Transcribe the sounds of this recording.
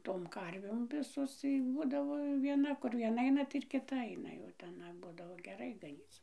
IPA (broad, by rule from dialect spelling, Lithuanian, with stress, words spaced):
toːm ˈkɐrʲʋʲeːm ˈʋʲɪsoːs ˈbuːdɐʋoː ʋʲiɛˈnɐ ˈkʊr ʋʲiɛˈnɐ ˈɐɪnɐ tɐɪ ɪr kʲɪˈtɐ ɐɪnɐ jɛʊ tʲɛˈnɐ ˈbʊdɐʋoː ɡʲɛˈrɐɪ ɡɐˈnʲiːt͡s